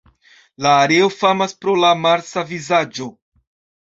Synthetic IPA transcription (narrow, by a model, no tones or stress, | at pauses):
laːɾeo̞famaspɾo̞lamaɾsavizad͡ʒo̞